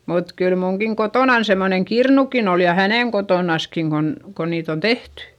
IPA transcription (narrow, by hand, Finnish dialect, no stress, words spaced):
mut kyl muŋkiŋ kotoˑnɑn semːoneŋ kirnukin ol jɑ hæneˑŋ kotoˑnɑskiŋ kon ko niːt on tehty